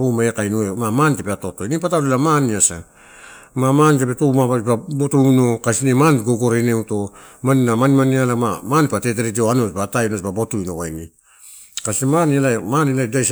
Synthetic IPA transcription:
ɾumaekajnuemamantepeato̞to̞jnipatalelamaniasa | mamantepetomaβababotujno̞kasinemantɡoɡo̞ɾeneuto̞maninamanimanialamamanpatet̬eɾed͡ʒioanot͡ʃbatajnosbabo̞tuinoβajni | kasiemanialamaniladajs

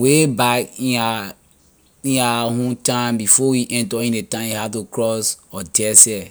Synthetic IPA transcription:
webakĩa | ĩaɦõntãmbifɔwiʔɛ̃ntɔĩnetãmihatukɹɔsɔdɛsɛ

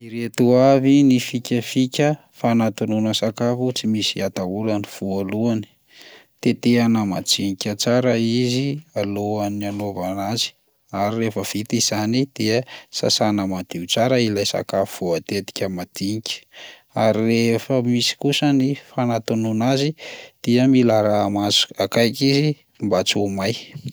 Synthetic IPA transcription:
iɾet̪uavinifikʲəfikʲə | fanat̪ununəsakafut͡simisiat̪aulaniv̥ualuani̥ | t̪et̪eanəma̰d͡ziɲikʲət͡saɾəizialoananovanazi̥ | aɾirefəv̥it̪iz̥anid̪̥iəsa̰sanəmad̪̥iut͡saɾəilajsa̰kafv̥uat̪et̪i̥kʲəmad̪̥iŋikʲi̥ | aɾirefəmisi̥kusənifanat̪ununazid̪̥iəmilaɾamazu̥akajkʲizi | mbat͡sumaj

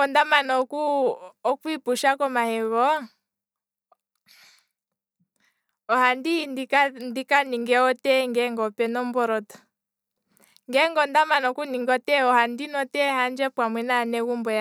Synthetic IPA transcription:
ɔndamanɔkuːkuipuʃakɔmahɛβɔ | ɔhandindikandikaniŋɡɛɔtɛŋɡɛŋɡɔpɛnɔmbɔɾɔtḁ | ŋɡɛŋɡɔndamanɔkuniŋɡɔtɛɔhandinɔtɛhand͡ʒɛpwamwɛnanɛɣumbɔja

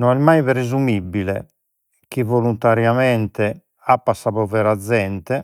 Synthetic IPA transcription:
nɔnɛmajβɾezumibːilɛ̰ | k̟ivolunt̪aɾjamɛnt̪ɛ | apːasaβɔvɛɾad̪zːɛnt̪ɛ

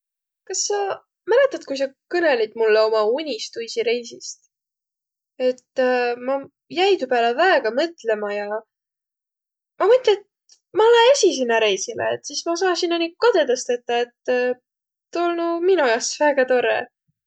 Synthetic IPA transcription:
kɑsːɑ | mælet̪ːˑɑd̪̥̚kujs̬ɑkɤne̞lid̪̥mulːeo̞mɑunʲist̪ujsiɾe̞jsist̪ | e̞t̪ːmɑ | jæjt̪upæːlevæeɡ̥ɑmɤt̪ˑle̞mɑjɑ | mɑmɤt̪let̪̚ | mɑolenesʲis̬inːɑɾe̞jsilḛet̪ːˑsismɑs̬ɑːnsinːɑnikɑd̪e̞d̪ɑst̪e̞t̪ˑːɑet̪ː | t̪ːolnuminujɑsvæɡ̥ɑt̪o̞ɾe

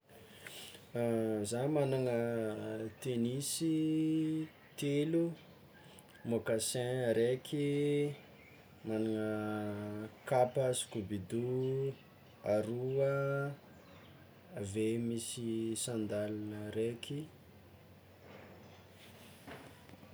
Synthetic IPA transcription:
zamanaŋə | t̪enisi | t̪elu | mokasɛ̃ɾekʰi | manaŋə | kapasi̥kubid̪u | aɾuə | vemisisãnd̪alanəɾeki

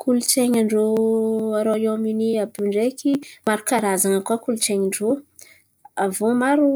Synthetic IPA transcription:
kʰulut͡seɲaɳɖ͡ʐoaɾoiominiabuɳɖ͡ʐekimaɾukaɾazaŋəkuakuluʈ͡ʂeɲiɳɖ͡ʐo | avomaɾu

